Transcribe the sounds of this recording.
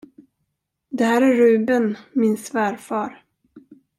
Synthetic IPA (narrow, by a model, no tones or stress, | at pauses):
d̪ɛhæːɾæːʉ̟ːbənmɪnsvæːɾfɑːɾ